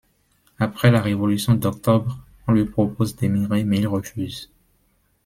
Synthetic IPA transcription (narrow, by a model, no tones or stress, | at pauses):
apχɛlaʁevɔlysjɔ̃d̪ɔk̚t̪ɔbʁ | ɔ̃lɥipχɔpozd̪emiʁemɛilʁəfyz